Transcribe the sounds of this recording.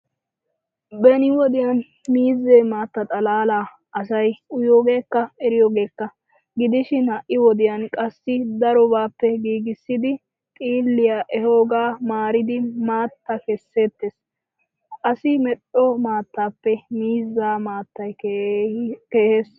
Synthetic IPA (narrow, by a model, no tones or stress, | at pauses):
bɛnɪwɔd̪ɪjɐn | miːzːeːmaːt̪ːɐt̪ʼɐlaːla | ʔɐsɐjʊjoːɡe̞ːkːɐɛɾɪjoːɡe̞ːkːɐ | ɡɪd̪ɪʃɪnhɐʔːɪwɔd̪ɪjɐnkʼɐsːɪd̪ɐɾɔbaːpːɛɡiːɡɪsːɪd̪ɪ | t̪ʼiːlːɪjaːʔɛhoːɡaːmaːɾɪd̪ɪmaːt̪ːɐkɛsːe̞ːt̪ːeːs | ʔɐsɪmɛɗʼɔmaːt̪ːaːpːɛmiːzːaːmaːt̪ːɐj | ke̞ːhe̞ːs